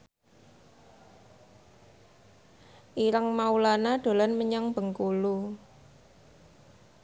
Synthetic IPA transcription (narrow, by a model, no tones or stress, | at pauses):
ʔiɾəŋmaulanaɖ̪̥o̤lɔnməɲaŋb̥ə̤ŋkulu